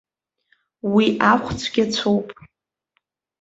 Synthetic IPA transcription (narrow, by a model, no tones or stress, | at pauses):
wiʔaχʷt͡sʷʰɡʲat͡sʷʰowpʼ